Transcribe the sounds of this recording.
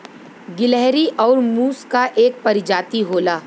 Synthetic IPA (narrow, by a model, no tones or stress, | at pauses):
ɡɪlɛɦɾiʔɔːɾmuːskaʔeːk̚pɐɾɪd͡ʒaːt̪iɦoːlaː